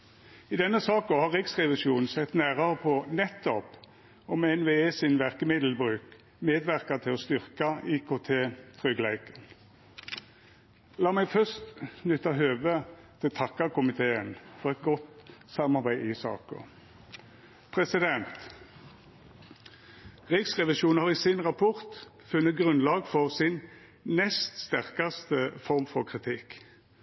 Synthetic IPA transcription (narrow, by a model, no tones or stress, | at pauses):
ɪd̪ɛnːəsɑːkɔhɑʁɪksʁɛʋɪʃuːnn̩sɛt̪næːʁɑʁəpʰɔnɛt̪ːɔp | ɔmɛnʋeːeːsɪnʋæʁkəmɪd̪l̩bʁʉːk | meːd̪ʋæʁkɑt̪ʰɪlɔst̪ʏʁkɑiːkʰoːt̪ʰeːt̪ʰʁʏɡlæɪkən | lɑːmæɪɡfœst̪nʏt̪ːɑɦøːʋət̪ʰɪlt̪ʰɑkːɑkʰʊmɪt̪ʰeːənfɔʁɛt̪̚ɡɔt̪sɑmɑʁbæɪʔɪsɑ̰ːkɔ̰ | pʰʁɛsɪd̪ɛnt̪ | ʁɪksʁɛʋɪʃuːnhɑʁisɪnʁɑpʰɔʁt̪ | fʉnːət̪̚ɡʁʉnlɑːɡfɔʁsɪn | nɛst̪st̪æʁkɑst̪əfɔʁmfɔʁkʰʁɪt̪ʰɪk